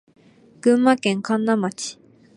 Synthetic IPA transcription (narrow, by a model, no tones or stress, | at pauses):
ɡ̥ɯ̟̃mːakẽŋkãnːamat͡ɕi̥